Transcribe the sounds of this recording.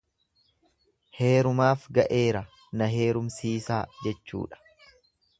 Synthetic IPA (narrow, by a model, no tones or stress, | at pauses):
he̞ːɾʊmaːfɡɐʔe̞ːɾɐ | nɐɦe̞ːɾʊmsiːsaːd͡ʒɛt͡ʃːṵːᶑɐ̥